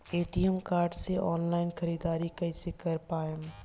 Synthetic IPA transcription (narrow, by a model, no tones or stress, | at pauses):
eːʈijəmkaːɾɖseʔɔːnlaːɪnxʰɐɾiːd̪aːɾikɐɪsekɐɾpaːem